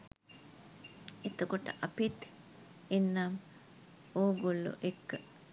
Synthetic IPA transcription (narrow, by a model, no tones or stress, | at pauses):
et̪əkoʈə̰ʔapit̪ | inːam | oːɡolːṵʔekːə